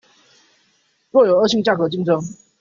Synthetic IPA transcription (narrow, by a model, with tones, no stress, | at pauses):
ɻwɔ˥˩jo˨˩ʊə˥˧˥ɕi˥˧ŋt͡ɕja˥˩kɤ˧˩t͡ɕi˥˧ŋʈ͡ʂʰɤ˧˥ŋ